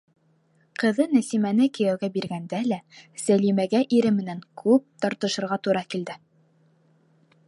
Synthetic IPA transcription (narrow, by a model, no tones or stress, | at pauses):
qɤ̆ðɤnæsimænɘkɘ̆jæwɡæbiɾɡænd̪ælæsælimæɡæʔiɾɘmɘ̆næŋkʰʉp̚t̪ɑɾt̪ɤ̆ʃɤ̆ɾʁɑt̪uɾɑkild̪ɘ